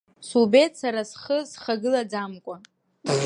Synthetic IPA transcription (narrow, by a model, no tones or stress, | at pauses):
subetsaɾasχəzχaɡɨlad͡zamkʷʼa